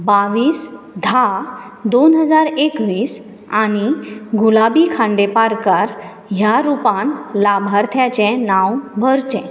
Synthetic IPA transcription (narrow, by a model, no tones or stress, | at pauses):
baʋiːs | d̪ʱa | d̪onɦəd͡zaɾekʋiːs | añiɡulabikʰãɳɖepaɾkaɾ | ɦjaɾupãnlabʱaɾt̪ʰjat͡ɕɛ̃nãwbʱəɾt͡ɕɛ̃